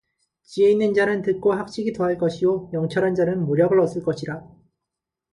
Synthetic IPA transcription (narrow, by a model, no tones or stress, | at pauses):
t͡ɕieinːɯnd͡ʑanɯntɯk͈oɦak̚ɕ͈iɡitoɦaɭk͈ʌɕʰijojʌŋt͡ɕʰʌɾɦand͡ʑanɯnmoɾjʌɡɯɾʌs͈ɯɭk͈ʌɕʰiɾa